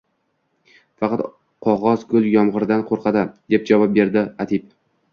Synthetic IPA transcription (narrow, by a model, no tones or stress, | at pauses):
fɑqʰɑt̪ | qʰɒʁɒzkʰʊlˠjɒmʁɨɾd̪anqʰoɾqʰɑd̪ɪd̪e̞p̚d͡ʒavɒp̚be̞ɾd̪ɪat̪ʰip